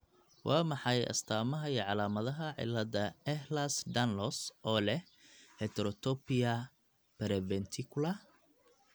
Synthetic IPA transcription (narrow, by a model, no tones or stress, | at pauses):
wɑːmɑħɑjɐ̰st̪ʰaːmɐɦɐiːʕɑlaːmɐðɐɦɐʕɪ̰lːɐdɐɛhlɐsɖ̪ɐnlɔsʔɔːlɛh | hɛt̪ʰɛɾɔt̪ʰɔpɪjɐ | pɛɾɛbɛnt̪ʰɪkʰʊlɐ